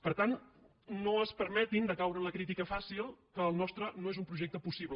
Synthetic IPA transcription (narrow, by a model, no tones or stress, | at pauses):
pəɾt̪an | noəspəɾmɛt̪ind̪əkawɾənləkɾit̪ikəfasilˠkəːlˠnɔst̪ɾənoezumpɾuʒek̚t̪əpusiβl